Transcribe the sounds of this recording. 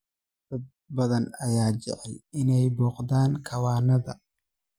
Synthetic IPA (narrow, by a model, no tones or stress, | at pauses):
d̪̥ɐd̪̚ | bɐðɐnɐjaːt͡ʃɛ̰ʕɛlɪnɛjbɔːqd̪aːŋkʰɐwaːnɐðɐ̰